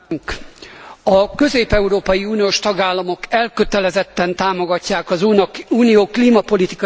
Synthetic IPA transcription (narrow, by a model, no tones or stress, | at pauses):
ŋk | ɒkø̞zeːpɛuɾoːpɒjiuːnijoːʃt̪ɒɡaːlːɒmokɛlkøt̪ɛlɛzɛt̪ːɛnt̪aːmo̞ɡɒcːaːkɒzuːnɒuːnijoːkliːmɒpo̞lit̪ikɒ